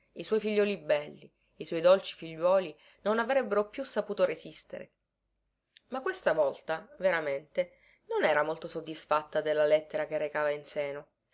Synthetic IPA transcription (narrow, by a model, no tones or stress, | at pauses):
iswɔjfiʎːɔːlibɛlːi | iswɔjd̪olt͡ʃi̥fiʎːwɔːli | nonavɾɛbːeɾopjusːapuːt̪oɾezist̪ḛɾḛ | makːwest̪avɔlt̪aveɾament̪e | nonɛːɾamolt̪osod̪ːisfat̪ːad̪elːalɛt̪ːeɾakerːekaːvainseːno